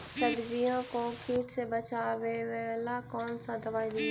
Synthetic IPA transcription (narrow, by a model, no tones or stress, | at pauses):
sɐbd͡ʒijãkokʰiːʈsebɐt͡ʃaʋeʋelakɔːnsãd̪ɐbaːid̪i